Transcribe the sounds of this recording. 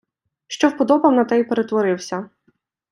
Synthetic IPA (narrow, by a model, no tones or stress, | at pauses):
ʃt͡ʃɔwpɔd̪ɔbɐwnɐt̪ɛjpeɾet̪ʋɔɾɪwsʲɐ